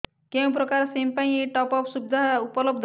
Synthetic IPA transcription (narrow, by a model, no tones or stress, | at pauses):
kew̃pɾɔkaɾsempaj̃eʈɔpɔpsubd̪ʱaupɔlɔbd̪ʱ